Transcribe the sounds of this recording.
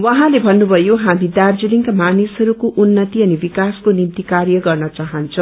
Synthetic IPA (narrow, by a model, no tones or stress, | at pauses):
wʌɦãlebʱʌnːubʱʌjoɦamid̪ard͡ziliŋkamanisɦʌɾukoʔunːʌt̪iʌnibikaskonimt̪ikarjʌɡʌrnʌt͡saɦʌnt͡sʰʌ̃w̃